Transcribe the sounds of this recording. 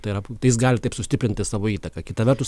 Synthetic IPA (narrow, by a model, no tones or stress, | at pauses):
t̪ɐɪɪɾɐt̪ɐɪjɪs̬ɡɑːlʲɪt̪ɐɪpsʊsʲtʲɪpʲɾʲɪnʲt̪ʲɪsɑːʋoːiːt̪ɐkɐkʲɪt̪ɐʋʲɛrt̪ʊs